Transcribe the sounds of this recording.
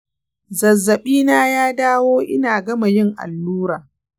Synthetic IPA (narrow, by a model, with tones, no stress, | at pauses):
zɐ˨zːɐ˨ɓiː˦naː˦jaː˦daː˦woː˦ʔɪ˦naː˨ɡɐ˦ma˨jɪ˦ŋʔa̰˨lːuː˦ɾaː˨